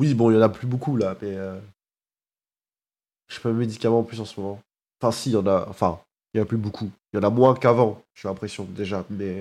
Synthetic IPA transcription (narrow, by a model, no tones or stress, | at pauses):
wibɔ̃iljɑ̃naplybokulamɛø | ʒe̥paləmed̪ikamɑ̃plysɑ̃səmɔmɑ̃ | fɛ̃sijɑ̃naɑ̰̃fɛ̰̃ | ljɑ̃naplybokʰujɑ̃namwɛ̃kavɑ̃ʒɛlɛ̃pχesjɔ̃d̪eʒamɛ